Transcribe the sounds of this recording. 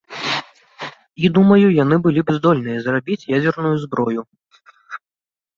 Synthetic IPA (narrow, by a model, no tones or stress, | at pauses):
id̪umɐjujanɨbɨlʲibzd̪ɔlʲnɨjɐzrabʲit͡sʲjad͡zʲɛrnujuzbɾɔju